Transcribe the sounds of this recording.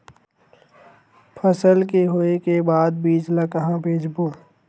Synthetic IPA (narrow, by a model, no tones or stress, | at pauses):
pʰəsəlkeɦoekebaːd̪̚biːd͡ʒlakɐɦãbeːd͡ʒboː